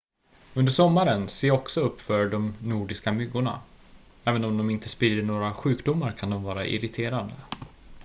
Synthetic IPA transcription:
ɵnd̪əʂɔmːaɾənseːɔksɔɵpːfœɖɔmnuːɖɪskamʏɡːʊɳa̰ | ɛːvənɔmd̪ɔmɪnt̪əspiːəɳoːɾaɧʉ̟ːkd̪ʊmːaɾkʰand̪ɔmvɑːɾa̰ʔɪ̰ɾɪt̪ʰeːɾand̪ə

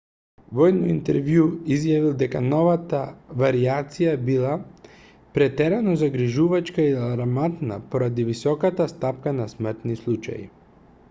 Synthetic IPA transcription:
vɔjnɔint̪ɛɾvjuizjavilˠd̪ɛkanɔvat̪avaɾiat̪sijabilˠa | pɾɛt̪ɛɾɛnɔzaɡɾiʒuvat͡ʃkaialɾamat̪na̰pɔɾad̪ivisɔkat̪ast̪apkanasmr̩t̪nislˠut͡ʃa̰jḭ

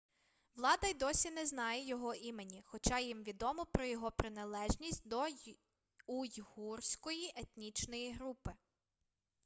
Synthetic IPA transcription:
ʋlˠɑd̪ɐjd̪ɔsʲinɛznɑjɛjɔɦɔʔimenʲixɔt͡ʃɑjimʋʲid̪ɔmɔpɾɔjɔɦɔpɾɪnɐlˠɛʒnʲisʲtʲd̪ɔ | ujhursʲkɔjiʔet̪nʲit͡ʃnɔjiɦɾupɪ

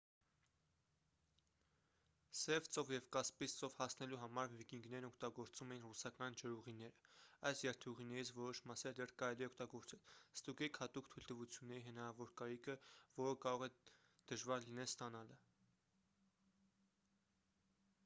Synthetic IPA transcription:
sɛvt͡sɔvjɛvkɑspist͡sɔvhɑsnɛluɦɑmɑɾvikiŋɡnɛɾnɔkʰt̪ɑɡɔɾt͡sumɛjinrusɑkɑnd͡ʒəɾuʁinɛɾəɑjsjɛɾt̪ʰuʁinɛɾit͡sʰvɔɾɔʃmɑsɛɾd̪ɛrkɑɾɛliɛɔkt̪ɑɡɔɾt͡sɛlst̪uɡɛkʰhɑt̪ukt̪ʰujlt̪əvut͡sʰjunːɛɾiɦənɑɾɑvɔɾkɑɾikʰəvɔɾəkɑɾɔʁɛ | d̪̥əʒvɑɾlinɛlst̪ɑnɑlə

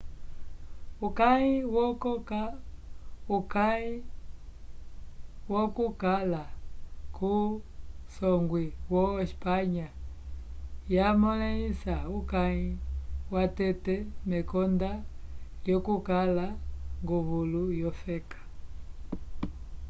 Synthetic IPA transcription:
ukaiwɔkɔka | ukai | wɔkukalaku | sɔŋɡwiwɔɛspaɲa | jamɔlɛisaukaiwatɛtɛmɛkɔndajɔkukalaŋɡuβulujɔfɛkḁ

